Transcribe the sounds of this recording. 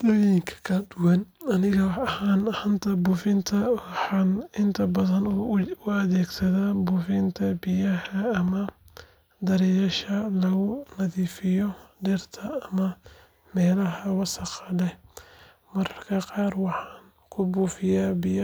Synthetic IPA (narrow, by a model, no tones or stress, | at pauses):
d̪̥ɐwiŋkʰɐ̥kʰɐd̪ʊwɐnɐnɪɣɐɐhaːnhɐnt̪ʰɐbuːfɪnt̪ʰɐɑħɑːnɪnt̪ʰɐbɐðɐnʊɐðɛːɡsɐðaːbuːfɪnt̪ʰɐbɪjɐhɐːmɐ | d̪ɐɾɛjɐʃɐlɐɣʊnɐðiːfɪjɔɖɛrt̪ʰɐɐmɐ | mɛːlɐɦɐwɑsɐqɑdɛ | mɐrkʰɐqɑːrwɑħɑːn | kʰʊbuːfɪjaːbɪjɐ